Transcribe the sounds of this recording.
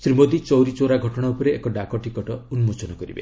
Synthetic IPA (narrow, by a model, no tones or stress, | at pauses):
sɾimod̪it͡ʃɔwɾit͡ʃoɾaɡʱɔʈɔɽ̃aupɔɾeːkɔɖakɔʈikɔʈɔunmot͡ʃɔnɔkɔɾḭbḛ